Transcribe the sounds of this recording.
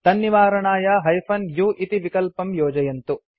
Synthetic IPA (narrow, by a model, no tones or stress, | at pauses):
t̪ɐnːjiʋaːɾɐɳaːjɐɦɐjfʰɐnjuːʔit̪iʋikɐlpɐmjɔːd͡ʒɐjɐnt̪u